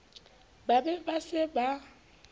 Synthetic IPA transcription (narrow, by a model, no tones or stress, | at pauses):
babɛbasɪba